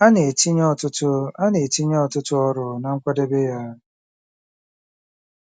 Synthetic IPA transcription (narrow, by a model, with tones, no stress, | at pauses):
a˦ne˨ti˦ɲɔ˦tʊ˦tʊ˦a˦ne˨ti˦ɲ˦ɔ˦˨tʊ˦tʊ˦ɔ˦ɾʊ˨na˨ŋ̩˦kʷa˦de˦be˦ja˦